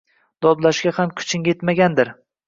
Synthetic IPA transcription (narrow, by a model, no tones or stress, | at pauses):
d̪̥ɒd̪laʃɡʲahamkʰʊ̥t͡ʃʰɪŋʲet̪maɡʲand̪ɪɾ